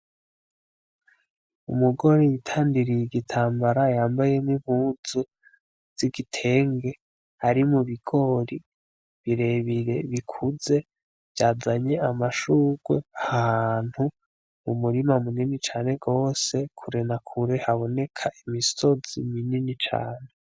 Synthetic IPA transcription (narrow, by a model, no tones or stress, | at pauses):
ṵmuɡo̞ɾejitʰaːndiɾijiɡitʰaːmbaɾajaːmbaje̞nimuːzu | z̥iɡitʰe̞ːŋɡe̞ | haɾimuβiɡ̥o̞ɾi | βiɾe̞βiɾe̞βikʰuze̞ | bjaːzaɲe̞amaʃuːɡ̥weahhan̥hu | mumuɾimamuninit͡ʃaːne̞ɡo̞ːse̞kʰuɾenakʰuɾehaβo̞ne̞kʰaʔimiso̞z̥imininit͡ʃa̰ːne̞